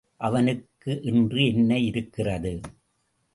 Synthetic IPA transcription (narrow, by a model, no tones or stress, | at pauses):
ʔɐʋɐnɯkːɯʔɪndrɯɛnːɐɪɾɯkːɪrɐðɯ